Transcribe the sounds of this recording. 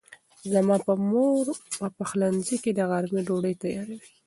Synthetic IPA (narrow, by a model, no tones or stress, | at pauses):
zamɑpəmoɾwapaxlanziked̪əɣaɾmiɖoɖəjt̪ajɑɾawi̥